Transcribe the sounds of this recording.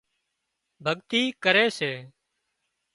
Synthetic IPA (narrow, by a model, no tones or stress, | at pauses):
bʱəɠt̪iːkəɾeːseː